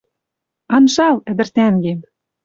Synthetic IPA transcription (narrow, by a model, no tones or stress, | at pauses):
ɑnʃɑlɘ̆d̪ɘ̆rt̪æŋɡem